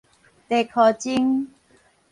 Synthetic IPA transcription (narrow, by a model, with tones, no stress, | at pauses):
t̪e˨kʰɔ˨˩t͡ɕi˦ŋ